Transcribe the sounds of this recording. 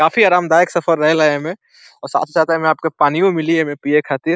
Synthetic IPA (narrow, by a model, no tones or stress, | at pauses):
kaːfiaːɾaːmd̪aːeksɐfʰəɾːɐɦelaɦemẽ | ɔːɾsa̰ːt̪ʰd͡ʒat̪eɦmẽaːp̚kepaːnijõmɪliɦɛmẽpiekʰaːt̪ɪɾ